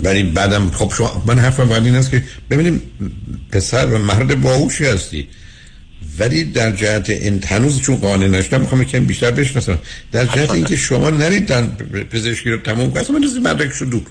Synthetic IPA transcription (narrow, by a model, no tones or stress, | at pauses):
vælibæːd̪æmχob̥ʃom̰mænɦæɾfæmvɒæd̪iːnhæs̬kʲʰeb̥e̞biːniː | pʰe̞sæɾvæmæɾd̪ebɒːɡuʃiːhæst̪ḭː | væliːd̪æɾd͡ʒæhæt̪ʰeʔinhænuːzt͡ʃʰunɢɒːnenæʃo̥d̪æmixɑːmjekʰænibiːʃt̪æɾbe̞ʃnɒsæmd̪̥æɾd͡ʒæhæt̪ʰeiːŋcʰe̞ʃomɒːnæɾiːd̪ænpʰe̞ze̞ʃkiːɾɔt̪ʰæmumkʰonæsæmænd̪ozimæ̰ɾɾæke̥ʃod̪u